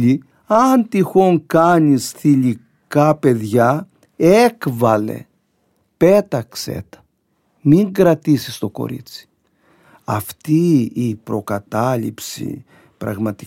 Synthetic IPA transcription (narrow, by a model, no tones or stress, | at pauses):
i | ɐnt̪ixo̞ŋkɐɲisθiʎi | kɐpe̞ðʝɐ | ekvɐlḛ | pe̞t̪ɐksḛt̪ɐ̥ | miŋɡɾɐt̪isist̪o̞ko̞̰ɾḭt͡si̥ | ɐft̪iːpɾo̞kɐt̪ɐlḭpsḭ | pɾɐ̰ɣmɐt̪i